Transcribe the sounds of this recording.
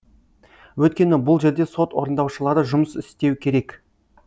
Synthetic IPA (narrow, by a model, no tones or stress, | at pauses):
wɵt̪̚kʲe̞nɪbʊlˠʒe̞ɾd̪e̞so̞t̪wo̞ɾənd̪ɑwʃəlˠɑɾəʒʊməsɪst̪e̞wkʲʰe̞ɾe̞k